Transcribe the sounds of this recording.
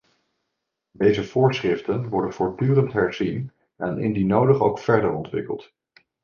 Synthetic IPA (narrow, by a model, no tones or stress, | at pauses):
dejzəv̥ʊːɹsχrɪftənʋɔɹdənv̥ʊːɹdyːrəntɦɛɹz̥in | ɛnɪ̰ndinowdəχowkfɛɹdəɹɔntʋɪ̰kə̰lˠt